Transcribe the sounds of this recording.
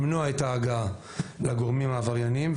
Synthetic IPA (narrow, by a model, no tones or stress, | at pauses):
mnuaetaːɡa | laɡo̞ʁmimaːvaʁjanim